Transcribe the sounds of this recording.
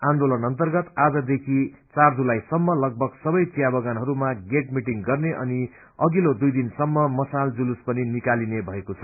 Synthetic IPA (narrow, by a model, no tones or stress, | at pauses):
and̪olʌnʌnt̪ʌrɡʌt̪ad͡zʌd̪ekʰi | t͡sard͡zulajsʌmːʌlʌɡ̚bʱʌɡsʌbʌjt͡sijabʌɡanɦʌɾumaɡeʈ̚miʈiŋɡʌrneʔʌ̰ni | ʌɡilod̪ujd̪insʌmːʌmʌsald͡zuluspʌninikalinebʱʌekot͡sʰʌ